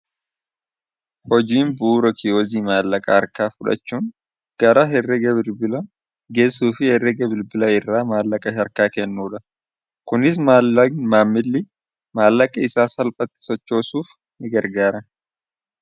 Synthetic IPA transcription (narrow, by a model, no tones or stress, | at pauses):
hɔd͡ʒiːnbuːɾɔkʰɪjoːziːmaːlːɐkʼɐhɐɾkaːfʊᶑɐ̰t͡ʃːuːn | ɡ̥ɐɾaːhɛrːɛɡɐbɪlbɪlɐ | ɡe̞ːsuːfɪhɛrːɛɡɐbɪlbɪlɐɪrːaːmaːlːɐkʼɐʃɐɾkaːkɛnːuːᶑɐ | kʊnɪs̬maːmaːmːɪlːɪ | maːlːɐkʼɐɪsaːsɐlpʼɐt̪ːɪ̥sɔt͡ʃːo̞ːsuːf | nɪɡɐɾɡaːɾɐn